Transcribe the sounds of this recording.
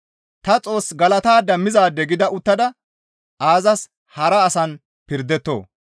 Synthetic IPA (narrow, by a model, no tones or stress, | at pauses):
t̪ɐt͡sʼo̞ːsɡɐlɐt̪aːd̪ɐmːɪzaːd̪ːɛɡɪd̪ɐʔʊt̪ːɐd̪ɐ | ʔaːzɐs | hɐɾɐːsɐn | pɪɾd̪ɛt̪ːo̰ː